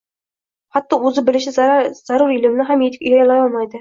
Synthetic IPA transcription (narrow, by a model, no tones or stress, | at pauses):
χɑt̪ːɑɵzɪbɪlɪʃɪz̥aɾuɾilɪmnɪɦamjet̪ʰɪ̥kʲyjɑjɑlˠɑjɒlˠmɑjd̪ɪ